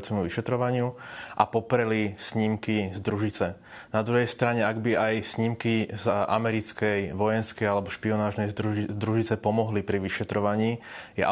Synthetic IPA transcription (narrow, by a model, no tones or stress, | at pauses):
t͡sɛmuʋiʃɛt̪ɾɔʋaɲɪuʔa̰pɔpɾɛlisɲimkizd̪ɾuʒit͡sɛ | nad̪ɾuɦɛjst̪ɾaɲɛaɡbiajsɲimkizʔa̰mɛɾit͡skɛjʋɔjɛnskɛjalɛbɔʃpiɔnaːʒnɛjd̪ɾuʒit͡sɛpɔmɔɦlipɾiʋiʃɛt̪ɾɔʋaɲiːjɛ̰ʔa̰